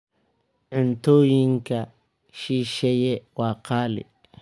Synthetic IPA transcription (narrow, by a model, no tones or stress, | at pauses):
ʕɪnt̪oːjɪŋkɐ | ʃiːʃɛjɛwaːqaːlɪ̰